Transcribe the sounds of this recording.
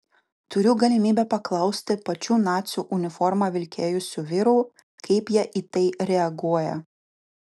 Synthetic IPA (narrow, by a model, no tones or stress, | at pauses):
t̪ʊɾʲʊɡɐlʲɪmʲiːbʲɛpɐklˠɐʊsʲt̪ʲɪpɐt͡ʃʲuːnɑːt̪sʲuːʔʊnʲɪfɔɾmɑːʋʲɪlʲkʲeːjʊsʲuːʋʲɪɾuː | kɐɪpjiɛʔiːt̪ɐɪɾʲɛɐɡuɔjɛ